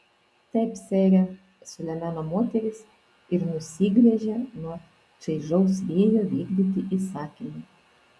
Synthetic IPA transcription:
t̪ʲɛɪpsʲɛːɾʲɛ | sʊlʲɛmʲænomoːt̪ʲɛɾʲɪs | ɪɾnʊsʲiːɡɾʲɛʒʲɛnuɔ | t͡ʃɐɪʒɐʊsʋʲeːjoːʋʲiːɡd̪ʲiːt̪ʲɪʔisɑːkʲɪmʊ

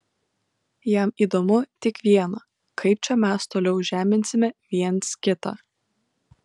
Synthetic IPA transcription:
jɛˑmiːd̪omʊt̪ʲɪkʋʲiɛnɐ | kʰɐɪp̚t͡ʃʲɛmʲæst̪oːlʲɛʊʒʲæːmʲɪnʲsʲɪmʲɛʋʲiɛnˑskʲɪt̪ɑ̰

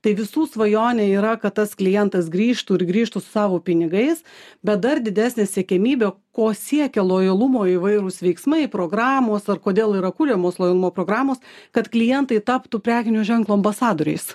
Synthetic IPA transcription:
t̪ɐɪʋʲɪsuːsʋɐjoːnʲeiːɾɐkɐt̪t̪ːɐsklʲɪjɛnt̪ɐsɡɾʲiːʃt̪uːɪɾɡɾʲiːʃt̪usʊ̥sɑːʋoːpʲɪnʲɪɡɐɪsbʲɛt̪̚d̪ɐrd̪ʲɪd̪ʲæːsʲnʲeːsʲɛkʲɛmʲiːbʲɛkoːsʲiɛkʲɛlˠoːjɐlˠʊmoːiʋɐɪɾʊsʋʲɛɪksmɐɪpɾoːɡɾɑːmoːsɐrkoːd̪ʲeːlˠiːɾɐkulʲɛːmoːslˠoːjɐlˠʊmoːpɾoːɡɾɑːmoːskɐt̪klʲɪjɛnt̪ɐɪt̪ɑːpt̪uːpʲɾʲæːkʲɪnʲoːʒʲɛŋklˠuːɐmbɐsɑːd̪oːɾʲɛ̰ɪs

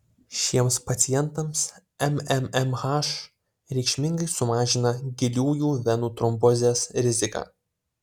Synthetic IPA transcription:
ʃʲiɛmspɐt̪sʲɪjɛnt̪ɐms | ɛmɛmɛmhɑʃ | ɾʲɛɪkʃʲmʲɪŋɡɐɪsʊmɑːʒʲɪnɐɡʲɪlʲuːjuːʋʲɛnuːt̪ɾɔmbɔzʲeːsɾʲɪzʲɪkɑ̰ː

